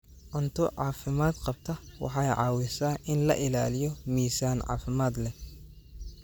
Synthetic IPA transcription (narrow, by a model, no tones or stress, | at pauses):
ʕʊnt̪ʰʊʕɑːfɪmaːd̪qɑb̚t̪ʰɐwɑ̰ħɑjʕɑ̰ːwɪsɐːʔɪnlɐ̰ʔɪlaːlɪjɔmiːsaːnʕɑ̰ːfɪmaːd̪lɛ